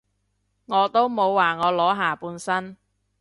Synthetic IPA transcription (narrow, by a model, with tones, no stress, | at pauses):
ŋɔː˨˧t̪o˥wmo˨˧wːaː˨˩ŋɔː˨˧lɔː˨˥ɦaː˨puː˨˧nsɐ˥n